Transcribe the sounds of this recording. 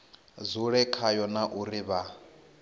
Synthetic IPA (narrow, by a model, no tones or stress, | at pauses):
zuɺɛkʰajɔnaʔuriβa